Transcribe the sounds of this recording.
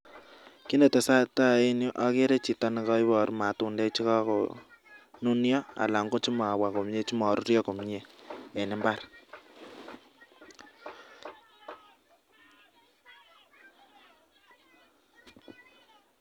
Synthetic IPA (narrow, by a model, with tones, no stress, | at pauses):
ki˦ne˨te˨sa˦ta˦˨e˦nju˦ʔa˦ke˦ɾe˦t͡ʃi˨tɔ˦ni˨kɔ˦i˦βɔ˨ɾma˨tu˨nde˦t͡ʃi˦ka˦ko̰˨ | nu˦njɔ˦a̰˨la˨ŋɡo˦t͡ʃi˦mɔ˨a˨wa˨ko˨mɲe˦t͡ʃi˦mɔ˨ɾu˦ɾjɔ˦ko˨mɲe˨e˨nɪ˦mba˦ɾ